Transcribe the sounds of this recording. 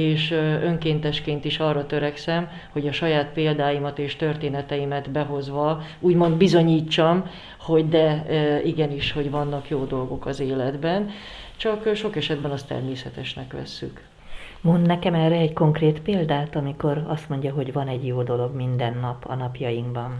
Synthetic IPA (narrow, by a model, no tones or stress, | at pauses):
eːʃøŋkeːnt̪ɛʃkeːnt̪iʃɒrːɒt̪ø̞ɾɛksɛm | ho̞ɟɒʃɒjaːt̪peːld̪aːjimɒt̪eːʃt̪ørt̪eːnɛt̪ɛjimɛt̪bɛɦo̞zʋɒuːɟmo̞nd̪bizo̞ɲiːt͡ʃːɒm | ho̞ɟd̪ɛiɡɛniʃho̞ɟʋɒnːɒkjoːd̪o̞lɡo̞kɒzeːlɛd̪bɛn | t͡ʃɒkʃo̞kɛʃɛd̪bɛnɒst̪ɛ̰rmeːsɛt̪ɛʃnɛkʋɛ̰sːy̰k | mo̞nd̪nɛkɛmɛrːɛɛcko̞ŋkreːt̪peːld̪aːt̪ɒmiko̞ɾɒst̪mo̞ɲɟɒɦo̞ɟvɒnɛɟjoːd̪o̞lo̞ɡmind̪ɛnːɒpʰɒ̰nɒpjɒjiŋɡbɒn